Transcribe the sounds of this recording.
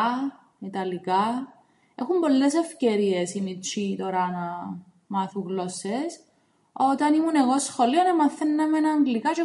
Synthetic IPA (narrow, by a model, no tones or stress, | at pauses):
it̪ɐlikɐ | exumbo̞lːes̬e̞fceɾiesinit͡ʃit̪oɾɐnɐ | mɐθuŋɣlo̞ses | o̞t̪ɐnimune̞ɣosxo̞lionɐmɐθːenːɐmenɐːŋɡlikɐt͡ʃe